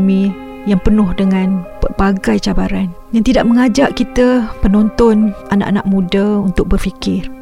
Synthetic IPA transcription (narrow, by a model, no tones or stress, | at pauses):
mĩ | jaŋpənʊhdəŋãnpərbaɡajt͡ʃabaɾan | jaŋt̪idaʔ̚məŋad͡ʒaʔkit̪əpənɔnt̪ɔnana̰ʔana̰ʔmũdaunt̪ʊk̚bərfikɪr